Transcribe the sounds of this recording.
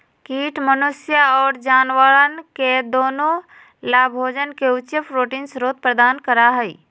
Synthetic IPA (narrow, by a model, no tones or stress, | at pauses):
kiːʈmənʊsjaɔːɾd͡ʒaːnʋaːɭənked̪oːnõ | laːbʱoːd͡ʒənkeʊt͡ʃepʰɾoːʈiːnsɾoːt̪̚pɾəd̪aːnkəɾaɦɛi